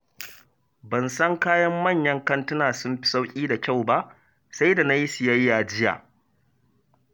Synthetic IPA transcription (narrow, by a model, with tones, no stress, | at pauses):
bɐ˨nsɐ˦ŋkaː˦jɐ˦mːɐ˦˨ɲjɐ˦ŋkɐ˦ntʊ˦naː˨sʊ˦mɸɪ̥˨sa˦wkʲʼiː˦da˨kʲa˦˨wba˦ʔ | sa˦jda˨na˦ji˦sɪ˨jɐ˦jːaː˨d͡ʒɪ˦ja̰ː˨